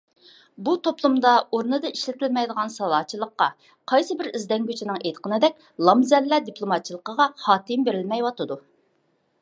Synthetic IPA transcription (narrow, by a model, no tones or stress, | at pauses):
but̪ʰoplˠumd̪ɑoɾnɨd̪ɨiʃlɪt̪ɪlmɛjd̪əʁɑnsɑlˠɑːt͡ʃʰːilˠəqːɑ | qʰɑjsɨbɪɾizd̪ɛŋɡʲyt͡ʃʰɪnɪŋejt̪qʰənɨd̪ɛk̚ʲ | lˠɑmzɛlːɛd̪ipʰlˠomɑt̪̚t͡ʃʰilˠəqəʁɑhɑːk̪ɪmbeɾɪlmɛjwɑt̪ɨd̪u